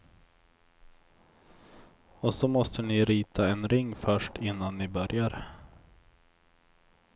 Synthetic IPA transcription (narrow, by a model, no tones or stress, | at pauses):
ɔsɔmɔst̪ʰənɪɾiːt̪ʰaɛnɾɪŋːfœʂʈɪnːanːɪbœɾjaɾ